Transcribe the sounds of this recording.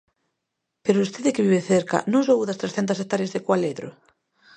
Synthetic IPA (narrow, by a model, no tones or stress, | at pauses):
peɾʊust̪eðɪkɪβiβeθeɾka̰nõŋsowuðɐst̪ɾesθɛnt̪ɐs̬ek̚t̪aɾjezðekwaleðɾʊ̰